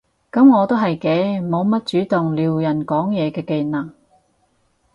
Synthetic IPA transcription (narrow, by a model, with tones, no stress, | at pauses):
kɐ˨˥mŋɔː˨˧t̪o˥ɦɐ˨jkɛː˧mo˨˧wmɐ˥t̚t͡ʃyː˨˥t̪ʊ˨ŋliː˨wjɐ˨˩nkɔː˨˥ŋjɛː˨˧kɛː˧ke˧nɐ˨˩ŋ